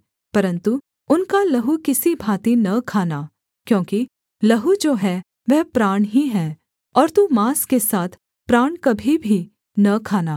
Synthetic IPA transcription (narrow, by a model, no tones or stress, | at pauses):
pɐɾə̃nt̪u | ʊnkalɐɦukɪsibʱaːt̪inɐkʰaːna | kjõːki | lɐɦud͡ʒoːɦɛ | ʋɛɦpɾaːɳ̃ɦiɦɛː | ɔːɾt̪umaːskesaːt̪ʰ | pɾaːɳkɐbʱibʱi | nɐkʰaːnaː